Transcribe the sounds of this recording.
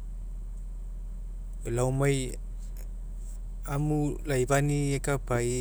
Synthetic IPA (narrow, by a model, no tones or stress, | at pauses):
elawmaj | amulajbaniekapaj